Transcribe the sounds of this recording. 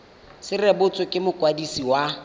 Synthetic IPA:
sɪrɛbʊt͡sʼʊkʼɪmʊkʼwadisiwa

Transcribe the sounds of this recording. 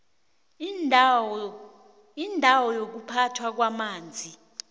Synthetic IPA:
indʱawɔjok̬upʰatʰwak̬wamaːnd͡zʱi

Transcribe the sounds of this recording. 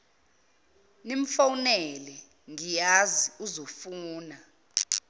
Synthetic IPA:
nim̩fawunɛlɛ | ŋijaziuzofuːna

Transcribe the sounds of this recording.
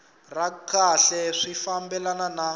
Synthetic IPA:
rakʰaɬɛʂifambɛlanana

